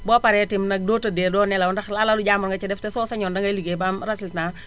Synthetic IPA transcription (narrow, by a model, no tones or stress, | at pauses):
bɔpaɾɛtimnak̚doːtadedɔːnɛlawɔndaxlalaluɟamɔnŋɡat͡ʃɛdɛftɛsɔːsaɲɔndaŋɡaliɡebamɾasilna